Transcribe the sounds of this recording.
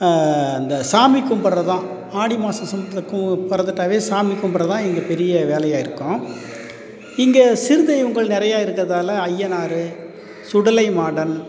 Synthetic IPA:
ɐnd̪ɐsaːmikːɯmpɐɽɾɐt̪ãː | aːɽimaːsɐ̃msɐmbðɐkːɯpɐɾɐðɯʈːaːʋeːsaːmikːʊmbɐɾɾɐt̪ãːɪŋɡɐpɛɾɪjɐʋeːlɐjaːɪɾɯkːʊ̃ː | ɪŋɡɐsɪɾɯðɐjʋʊŋɡɐɭnɪɾɐjaːjɪɾɯkːɯɾɐðaːlɐɐjːɐnaːɾɯ | sʊɽɐlɐɪmaːɽɐn

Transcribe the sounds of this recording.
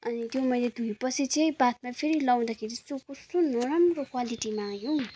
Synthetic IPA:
ʌnit̪jomʌjled̪ʱujpʌsʰit͡sʌj̃bat̪̚mapʰeɾilaw̃d̪akʰeɾit͡sokustonʌɾʌmrokwaliʈimajo

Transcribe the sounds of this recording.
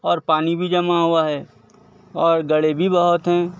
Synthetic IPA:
ɔːɾpaːnibʱid͡ʒɐmaɦʊaɦɛː | ɔːɾɡɐɽebʱibɐɦʊt̪ɦɛ̃ː

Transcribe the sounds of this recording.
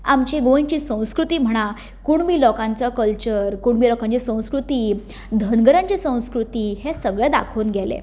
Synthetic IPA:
amt͡ɕeɡojt͡ɕiːsə̃w̃skɾut̪iːm̤əɽ̃a | kuɳmiːlɔkãɲt͡sakəlt͡ɕəɾkuɳmiːlɔkãɲt͡ɕisə̃w̃skɾut̪iː | d̪ʱənɡəɾãɲt͡ɕisə̃w̃skɾut̪iːɦesəɡɭɛd̪a̰kʰoːnɡʱɛlḛ

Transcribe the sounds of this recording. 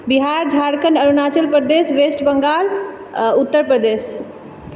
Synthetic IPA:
biɦaɾd͡ʒʱaɾkənəɾunat͡ʃəlpɾəd̪esʋesʈbəŋɡal | ut̪ːəɾpɾəd̪es

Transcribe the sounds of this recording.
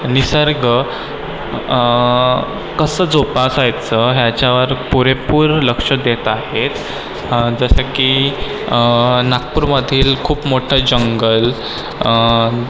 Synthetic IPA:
nisəɾɡə | kəsəd͡zopasajt͡səɦjat͡ɕjaʋəɾpuɾepuːɾləkʂəd̪et̪ahet̪ | d͡zəsaki | nak̚puːɾməd̪ʱiːlkʰuːpmoʈʰad͡ʑəŋɡəl

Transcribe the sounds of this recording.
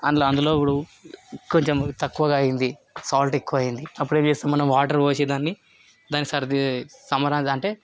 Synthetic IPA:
ɐnlːɐnd̪ulo̞ːipːuɽu | ko̞ɲt͡ʃemt̪ɐkːuʋɐɡaːjind̪i | saːlʈekːuʋɐːjind̪iɐp̬ːuɽe̞ːmt͡ʃeːst̪aːmːɐnɐmʋaːʈɐɾʋoːsed̪aːnːi | d̪aːnikisɐɾd̪sɐmɐɾaːɐɳʈe̞ː

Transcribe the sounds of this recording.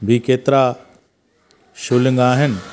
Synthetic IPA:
bʱikeːt̪ɾa | ʃulə̃ŋɡaːɦɪn

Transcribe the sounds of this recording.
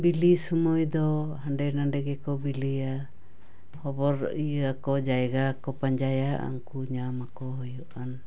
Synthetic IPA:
bilisɔmɔjd̪ɔɦaɳɖɛnaɳɖɛɡɛkɔbilia | hɔbɔɾiakɔd͡ʒajɡakɔpaɲd͡ʒajaʔa̰ŋkuɲamakɔɦɔjɔʔan

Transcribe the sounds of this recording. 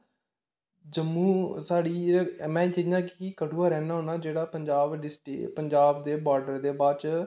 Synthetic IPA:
d͡ʒəmːũːsaːɽiːmɛ̃ːt͡ʃiːnãːkiiːkəʈuːaːɾɛːnaːɦoːnaːd͡ʒeːɽaːpəɲd͡ʒaːbɖɪsʈːpəɲd͡ʒaːbd̪eːbaːɾɖəɾd̪eːbaːt͡ʃ

